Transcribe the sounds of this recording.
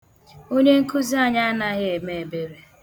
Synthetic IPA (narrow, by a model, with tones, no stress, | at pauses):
o˦ɲe˦ŋ̩˦ku˦zi˦a˦ɲa˦a˦na˦ɣɪ˦e˨me˨e˨be˦ɾe˨